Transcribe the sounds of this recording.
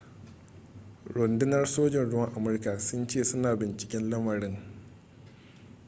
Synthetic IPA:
ɽʊ˨ndɪ˦nɐ˦rsoː˦d͡ʒɪ˨nɽʊ˦wɐ˦ŋʔa˨mʊ˦rka˨sʊ˦nt͡ʃeː˦˨sʊ˦naː˨bɪ˨nt͡ʃɪ̥˨kʲɪ˦nlɐ˦mɐ˨ɽɪ˦ŋ

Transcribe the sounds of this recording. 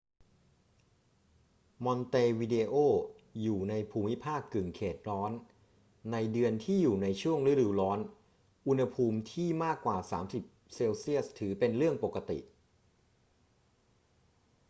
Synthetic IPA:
mɔ˧nt̪eː˧wi˧de˧ʔoː˥˩ | juː˨˩na˧jpʰuː˧mi˦˥pʰaː˥˩kːɯ˨˩ŋkʰeː˨˩t̪̚ɾɔː˦˥nː | a˧jdɯ˧ənt̪ʰiː˥˩juː˨˩na˧jt͡ɕʰu˥˩əŋɾɯ˦˥˨duː˧lɔː˦˥n | ʔu˧nha˧pʰuː˧mt̪ʰiː˥˩maː˥˩kːwaː˨˩saː˩˦msi˨˩p̚seː˧wsi˥˩əst̪ʰɯː˩˦pe˧nɾɯ˥˩əŋpo˨˩kːa˧t̪ḭ˨˩ʔ

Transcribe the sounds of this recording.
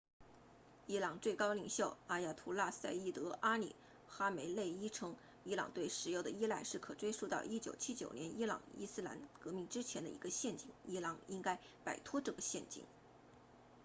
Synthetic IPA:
i˥lɑ˨˩ŋt͡swe˥˩ɪkɑ˥ʊli˨˩ŋɕjo˥˩ʊa˥ja˥˩t̪ʰu˧˥la˥˧sa˥˧ɪi˥˩t̪ɤ˧˥ʔa˥nḭ˨˩ | xa˥me˧˥ɪle˥˩ɪi˥ʈ͡ʂʰɤ˥ŋ | i˥lɑ̰˨˩ŋt̪we˥˩ɪʂɻ̩˨˥jo˥˩ʊd̪ə˩i˥la˥˧ɪʂɻ̩˥˩kʰɤ˨˩ʈ͡ʂwe˥ɪʂu˥˧t̪ɑ˥˧ʊʔi˥t͡ɕjo˨˩ʊt͡ɕʰi˥t͡ɕjo˨˩ʊnjɛ˧˥ni˥lɑ̰˨˩ŋḭ˥sɹ̩˥la̰˧˥nkɤ˧˥mi˥˩ŋʈ͡ʂɻ̩˥t͡ɕʰjɛ˧˥nd̪ə̰˧ḭ˧˥ɡə˧ɕjɛ˥˩nt͡ɕi˥˨˩ŋi˥lɑ˧˥ŋi˥ŋka˥ɪ | pa˨˩ɪt̪ʰwɔ˥ʈ͡ʂɤ˥˩ɡə˩ɕjɛ˥˩nt͡ɕḭ˨˩ŋ

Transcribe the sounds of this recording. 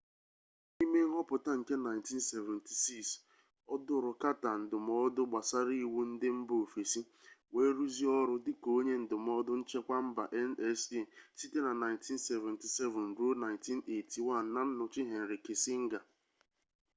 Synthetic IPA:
i˦me˦ŋ̩˦ɦɔ˦pʊ˨ta˦ŋ̩˨ke˦na˨ɪ˨nti˦n̩˦sɛ˨vɛ˨nti̥˨si˦ks | ɔ˦dʊ˦ɾʊ˨ka˦ta˨n̩˨dʊ˨m˦ɔ˦dʊ˦ɡ͡ba˨sa˦ɾi˦˨wu˦n̩˦dɪ˦m̩˦boo˨fe˨si˦ | we˦ɾu˦zi˦ɔ˦ɾʊ˦dɪ˦ko˦ɲe˦n̩˨dʊ˨m˦ɔ˦dʊ˦n̩˦t͡ʃe˦kʷa˦m̩˦ba̰˨ʔɛ˦nɛ˦se˨si˦te˦na˨na˨ɪ̃˨ntʰi˦n˦sɛ˨vɛ˨nti˨sɛ˦vʊ˨n̩˨ɾo˦na˨ɪ̃˨nti˦ne˨ti˨wa˦n̩ː˨a˦n̩˦nʊ˨t͡ʃɪ˦ɦe˨n̩˨ɾi˨kɪ˨sɪ˦ŋ̩˦ɡa˨

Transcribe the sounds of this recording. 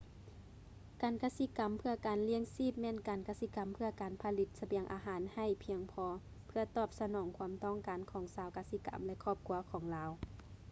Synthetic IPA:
kaː˨nkaː˧˥si˧˥ka˨˩mpʰɯ˧ɐkaː˨nli˧˥əŋsiː˥˩p̚mɛː˧˥˨nkaː˨nka˧˥si˧˥ka˨˩mpʰɯ˧ɐ˧kaː˨˩npʰa˧li˧˦t̪̚sa˧bi˨˩əŋʔa̰ː˨˧ɦaː˨˦nha˧˩jpʰi˧əŋpʰɔː˧ | pʰɯ˧ɐt̪ɔː˧˩p̚sa˧nɔː˨˦ŋkʰu˧˦əmt̪ɔː˧˥˨ŋkaː˨nkʰɔː˨˦ŋsaː˨˧˦wkaː˧si˧ka̰˨mlɛ˧ʔkʰɔː˧˩p̚kʰu˧˥ɐkʰɔː˨˩˦ŋlaː˨˧˦w

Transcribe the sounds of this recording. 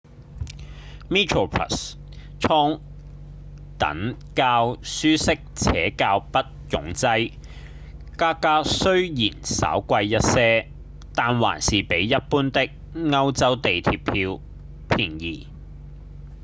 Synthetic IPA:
miː˥tʰɹo˨˩pʰɹɐ̰˨˩s | t͡sʰɔː˥ŋ | t̪ɐ̰˨˥ŋ | kaː˧wsyː˥sɪ˥k̚t͡sʰɛ̰ː˨˥kaː˧wpɐ˥t̚jʊ̰˨˥ŋt͡sɐ˥j | kaː˥kaː˥sɵ˥ɥjiː˨˩nsɐ̰˨˥wkʷɐ˧jjɐ˥t̚sɛː˥ | t̪aː˨nwa̰ː˨˩nsiː˨pe˨˥jːɐ˥t̚puː˥nt̪ɪ˥k̚ | ŋɐ˥wt͡sɐ˥wt̪e˨jt̪ʰiː˧pʰiː˧w | pʰiː˨˩njiː˨˩

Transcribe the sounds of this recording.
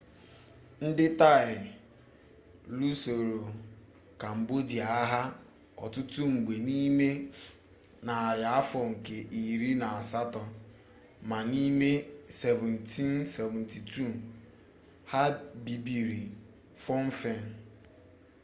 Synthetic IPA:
n̩˦dɪ˦ta˦ɪ˨ | lu˦so˨ɾo˨ | ka˨m̩˨bo˦di˨a˨a˦ɦa˦ | ɔ̰˨tʊ˦tu˦ŋ͡m̩˨ɡ͡be˨ni˦me˦ | na˨a˨ɾja˨a˦fɔ˨ŋ̩˨ke˨ʔi˨ɾi˦na˨a˨sa˦tɔ˨ | ma˨ni˦me˦sɛ˨vɛ˨ntʰi˦nsɛ˨vɛ˨n̩tʰi˨tu˦˨ | ha˦bi˨bi˨ɾi˨ | fɔ˦m̩˦fe˦n˨

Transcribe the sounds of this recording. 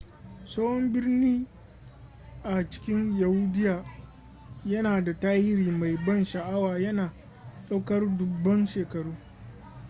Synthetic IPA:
soː˦hɔ˦mbɪ˦rniː˦ | ʔa˨t͡ʃɪ̥˦kʲɪ˦nja˨hu˦dɪ˦jaː˨ | jɐ˦naː˨da˨taː˦hɪ˦ɾiː˨ma˨jbɐ˦˨nʃɐ˨ʔa˦waː˨jɐ˦naː˨ | ɗa˦wkɐ˦rdʊ˨bːɐ˦nʃeː˨kɐ˨ɽuː˦

